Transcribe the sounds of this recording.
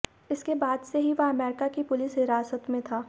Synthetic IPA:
ɪskebaːd̪seɦiʋoɐmɛːɾɪkakipʊlɪsɦɪɾaːsət̪mẽt̪ʰaː

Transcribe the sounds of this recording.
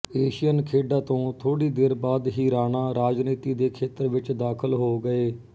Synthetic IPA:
eːʃɪjənkʰeːɖãːt̪õːt̪ʰoːɽiːd̪eːɾbaːd̪ɦiːɾaːnaːɾaːd͡ʒniːt̪iːd̪eːkʰeːt̪əɾʋɪt͡ʃd̪aːkʰəlɦoːɡəeː

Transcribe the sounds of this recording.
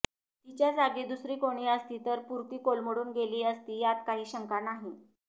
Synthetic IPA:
t̪it͡ɕjad͡zaɡid̪usɾiːkoɽ̃iːəst̪iːt̪əɾpuɾt̪iːkolməɽuːnɡeliːəst̪iːjat̪̚kaɦiːɕəŋkanaɦi

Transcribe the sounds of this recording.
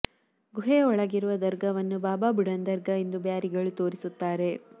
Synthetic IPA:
ɡuɦeːɔɭɐɡiɾuʋɐd̪ɐɾɡɐʋɐnːubaːbaːbuɽɐnd̪ɐɾɡɐend̪ubjaːɾiɡɐɭut̪o̞ːɾisut̪ːaːɾe̞

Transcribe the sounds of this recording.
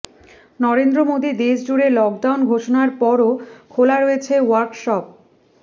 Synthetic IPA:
nɔɾend̪ɾomod̪id̪eʃd͡ʑuɾelɔk̚ɖawnɡʱoʃonaɾpɔɾokʰolaɾoet͡ɕʰewaɾkʃɔp̚

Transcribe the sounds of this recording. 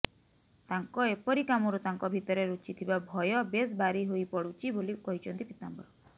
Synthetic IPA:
t̪aŋkɔepɔɾikamɔɾut̪aŋkɔbʱit̪ɔɾeɾut͡ʃit̪ʰibabʱɔjɔbes̬baɾiɦojpɔɽut͡ʃʰibolikɔɦit͡ʃʰɔnt̪ipit̪ambɔ̰ɾɔ

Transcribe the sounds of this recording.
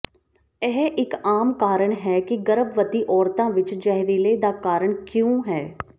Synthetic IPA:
ɛɦʔɪkaːmkaːɾəɽɦɛːkiɡəɾəbʋət̪iːʔɔːɾt̪ãːʋɪt͡ʃd͡ʒɛɦɾiːleːd̪aːkaːɾəɳkjõːɦɛː

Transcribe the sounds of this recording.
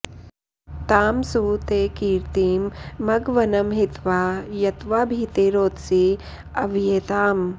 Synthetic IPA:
t̪aːmsuːt̪eːkiːɾt̪iːmːɐɡʋɐnɐmɦit̪ʋaːjɐt̪ʋaːbʱit̪eɾoːt̪si | ɐʋjeːt̪aːm

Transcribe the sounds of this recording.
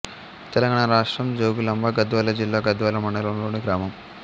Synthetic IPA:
t̪ɛlɐŋɡaːɳɐɾaːʂʈɾɐmd͡ʒoːɡulɐmbʱɐɡɐd̪ʋaːlɐd͡ʒilːaːɡɐd̪ʋaːlɐmɐɳɖɐlɐnloːɳiɡɾaːmɐm

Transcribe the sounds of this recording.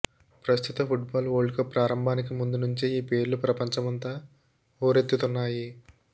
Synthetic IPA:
pɾɐst̪ʰut̪ɐpʰuʈbaːloːɭkɐpɾaːɾɐmbʱaːnik̬imund̪unuɲt͡ʃiiːpe̞ːɾlupɾɐpɐɲt͡ʃɐmɐnt̪aː | oːɾe̞t̪ːut̪unːaːji

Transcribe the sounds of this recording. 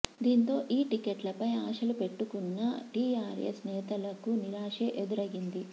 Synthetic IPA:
d̪iːnt̪o̞ːʔiːʈikeʈlɐpɐjaːʂɐlupe̞ʈːukunːɐʈiːaːɾḛsnɛːt̪ɐlɐkuniɾaːʂeːʔed̪uɾɐɡind̪i

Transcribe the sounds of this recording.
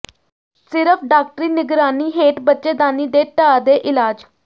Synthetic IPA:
sɪɾəpʰɖaːk̚ʈəɾiːnɪɡɾaːniːɦeːʈbətːʃeːd̪aːniːd̪eːʈaːd̪eːʔɪlaːd͡ʒ

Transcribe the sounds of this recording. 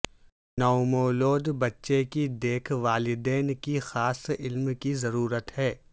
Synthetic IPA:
nɐʊmoːloːd̪bɐtːʃekid̪eːkʰʋaːlɪd̪ɛːnkixaːsɪlmkizɐɾuːɾət̪hɛː

